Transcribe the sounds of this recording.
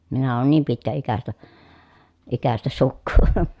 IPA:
minæ oːn niːm pitkæikæstæ ikæstæ sukːuː

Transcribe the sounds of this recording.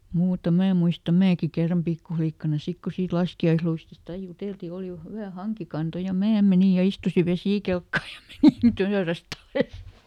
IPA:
muːtɑ mæː ĕm̆ muistɑ mæːki kerːɑm pikːuflikːɑnɑ sik ku siːt lɑskiɑisluistist ɑi juteˑlti oˑli hywæ hɑŋkikɑnto jɑ mæː meni jɑ istusi ʋesiˑkelkːɑː jɑ menin tøːræst ɑles

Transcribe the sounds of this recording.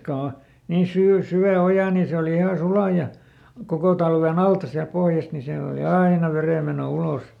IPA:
ko o niː syː syæ ojɑ ni se oli ihɑ sulɑ jɑ koko tɑlʋen ɑltɑ siælt̆ pohjɑst ni siæl oli ɑinɑ ʋereˑmeno ulos

